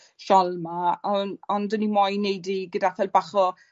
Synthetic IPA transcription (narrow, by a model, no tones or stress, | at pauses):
ʃalˠmaɔnɔndənimɔjnejdiɡədaθɛlbaχɔ